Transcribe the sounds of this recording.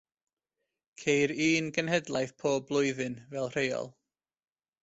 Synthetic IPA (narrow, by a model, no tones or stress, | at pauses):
kʰejɾiːnɡənhɛdlˠajθpʰoːblˠʊɨðɨnvɛlˠr̥ejɔ̰lˠ